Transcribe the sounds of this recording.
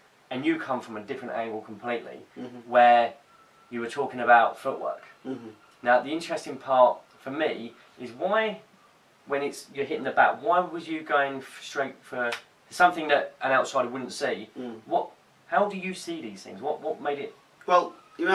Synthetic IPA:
ə̃njəkʰʌ̃ɱfɹə̃mə̃dɪfɹə̃ntæ̰̃ŋɡəlˠkʰə̃mpʰl̥iˑʔlḭwə | jəwətʰɔˑkɪ̃ŋəbaʊtfʊʔwɜ̰ˑk | naʊðiɪ̃nt͡ʃɹ̥ɛstɪ̃ŋpʰɑˑt | fəmi | ɪzwaɪ | wə̃nɪtsjəɦɪtɪ̃ŋðəba̰ʔwaɪwɒzjəɡəʊɪ̃ŋstɹ̥eɪtfə̥ | sʌ̃mθɪ̃ŋðəɾʔə̃ɾ̃aʊtsaɪɾəwʊdⁿn̩tsiːwɒʔ̚ | haʊdəjɨsiðiːz̥θɪ̰̃ŋzwɒʔwɒʔmeɪɾɪt̚ | wɛlˠ | jə

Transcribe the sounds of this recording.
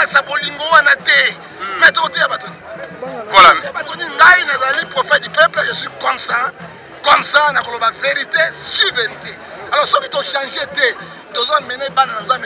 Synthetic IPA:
laki̥saboliŋɡowanatɛ | mɛtokotejabatoni | labatoniŋɡainazalalipʁofɛt̚dipɛpləʒeswikɔmsa | kɔmsanakolobaveʁitesiveʁite | alɔʁsokitoʃãʒetɛ | tozamɛnɛbananazam

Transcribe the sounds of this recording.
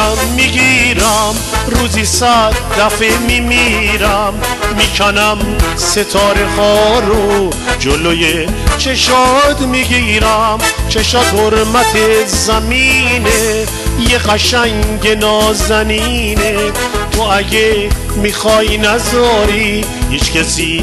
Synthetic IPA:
mːiɡiɾæmɾuːzisæd̪ːæfemimiːɾæmː | iːkʰænæm | se̞t̪ʰɒːɾe̞hɒɒːɾo | d͡ʒolojet͡ʃʰe̞ʃɔːd̪miɡiːɾæmt͡ʃʰeʃɒːt̪hoɾmæt̪ʰe̞zæmiːne | jeɣæʃæŋɟe̞nɒːzænine | t̪ʰoæɟe | mixɒːhinæzɒːɾiː | hiːt͡ʃcæsi

